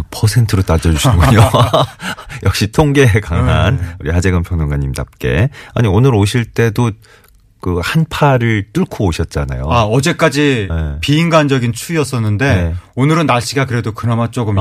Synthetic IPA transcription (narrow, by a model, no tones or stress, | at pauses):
pʰʌsʰe̞ntʰɯɾot͈ad͡ʑʌd͡ʑuɕiɡuɲo | jʌk̚ɕ͈itʰoŋɡe̞ekaŋanuɾihad͡ʑeɡɯmpʰjʌŋnoŋɡaɲːimtap̚k͈e̞̰a̰ɲionɯɾoɕʰiɭt͈e̞do | kɯhanpʰaɾɯɭt͈uɭkʰoːɕʰʌt̚t͡ɕ͈ana̰joaʌd͡ʑe̞k͈ad͡ʑinepiːŋɡand͡ʑʌɡint͡ɕʰuiʌs͈ʌnːɯnde̞onɯɾɯnːaɭɕ͈iɡakɯɾe̞dokɯɾʌmat͡ɕ͈oɡɯm